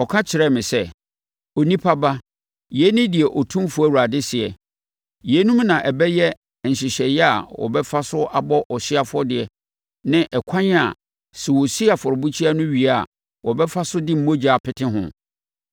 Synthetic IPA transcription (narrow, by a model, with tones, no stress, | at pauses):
ɔ˨kʰã˦t͡ɕʰɪ˨ɾɛ˦mɪ̃˨sɛ˦ | o˨nĩ˦pʰa˦ba˦ | jɛ˦nɪ̃˦dɪ˨ɛ˨ʔɔ˨tʰũ˦mfu˨˦æ˦˨wu˨ɾa˨dɪ˦sɪ˨ɛ˨ | jɛ˨˦nũ˦mnã˨ʔɛ˨bɛ˦jɛ˦˨ | n̩˨ɕɪ˨ɕɛ˨jɛ˦a̰˨wɔ̰˨bɛ˦fa˦sʊ˦ʔa˦bɔ˦ʔɔ˨ɕɪ˦a˨fʊ˦ɔ˦dɪ˨ɛ˨ | nɪ̃˦ʔɛ˨kʷʰã˦ɲ˦a˨ | sɛ˨wɔ˨si˦a˨fɔ˨ɾɔ˨bu˦t͡ɕʰi˦a˦nʊ̃˦ɥi˨a˦a̰˨ | wɔ˨bɛ˦fa˦sʊ˦dɪ˦m̩˨˦õ˦d͡ʑa˨pʰɪ˦tʰɪ̃˦ɦʊ̰̃˨